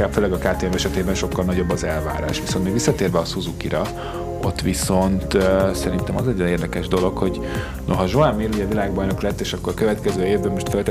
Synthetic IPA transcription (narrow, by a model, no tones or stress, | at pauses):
aføːlɛɡɒkaːt̪eːɛmɛʃɛt̪eːbɛnʃo̞kːɒlnɒɟo̞bːɒzɛlva̰ːɾa̰ːʃʋiso̞nmeːɡʋisːɒt̪eːrvɛɒsuzukiɾɒ | o̞t̪ːʋiso̞nt̪sɛɾint̪ɛmɒzɛɟːɒneːrd̪ɛkɛʒd̪o̞lo̞kho̞ɟ | noɦɒʒoamːiluiɟɛvilaːɡ̚bɒjno̞klɛt̪ːeːʃɒkːo̞ɾɒkøvɛt̪kɛzøːeːvbømo̞ʃt̪følt̪